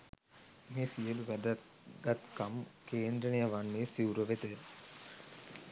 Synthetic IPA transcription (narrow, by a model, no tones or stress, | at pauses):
mesijəluɡd̪ | ɡɐt̪kɐmkeːnd̪ɾɐnijɐʋanːeːsiwuɾoʋet̪ə